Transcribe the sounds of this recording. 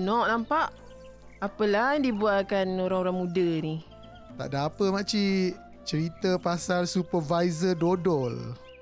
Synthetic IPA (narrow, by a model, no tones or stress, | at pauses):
nɔʔnampaʔ | apəlahjaŋdibualkanoɾaŋoɾaŋmudəni | t̪a̰ʔdaːpəmat͡ʃi | t͡ʃəɾit̪əpasarsupərvajzədodɔl